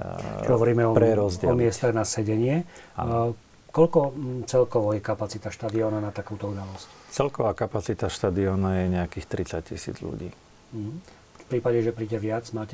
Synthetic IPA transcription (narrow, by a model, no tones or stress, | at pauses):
ɦɔʋɔɾiːmɛɔɾɛɾɔzɟɪɛlmɪɛst̪aɣnasɛɟɛɲɪɛ | kɔʎkɔt͡sɛlkɔʋɔjɛkapat͡sit̪aʃt̪ad̪iɔːnanat̪akuːt̪ɔud̪alɔsct͡sɛlkɔʋaːkapat͡sit̪aʃt̪ad̪iɔːnajɛɲɛakiːxt̪ɾit͡sac̚cḭsḭd͡zʎṵɟḭː | m̩ɦ̩ | fpɾiːpaɟɛʒɛpɾiːɟɛʋɪad͡zmaːcɛ